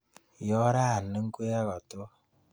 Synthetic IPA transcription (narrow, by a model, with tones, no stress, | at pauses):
jɔ˦ɾa˦a˨nə˦ŋ̩˦kʷe˦ja˦ɣɔ˨to˦